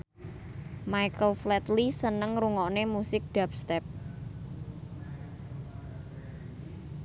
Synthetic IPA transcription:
majkəlflɛt̪lisənəŋɾuŋɔʔnemusɪk̚d̪̥ap̚st̪ɛp̚

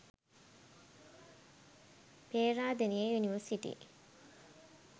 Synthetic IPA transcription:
peːɾaːd̪eniejuniʋəsiʈḭː

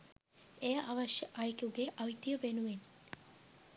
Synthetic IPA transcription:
ejəʔɐʋɐʃjəʔɐjkuɡeʔɐʋit̪ijəʋenuʋen

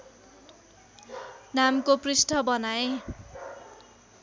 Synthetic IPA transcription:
namkoprisʈʰʌbʌnae

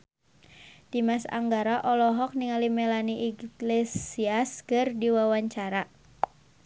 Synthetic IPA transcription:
d̥imasa̰ŋɡaɾaʔɔlɔɦɔk̚niŋalimɛlaniʔiɡɡlesiaskɨrdiwawaɲt͡ʃaɾa

